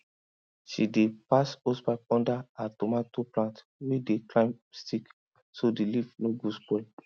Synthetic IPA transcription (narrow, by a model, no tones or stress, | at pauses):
ʃidepasosbak̚ɔ̃ndaatɔmatoplãnt | wedeklãɪ̃mstik | sodelivnoɡuspɔ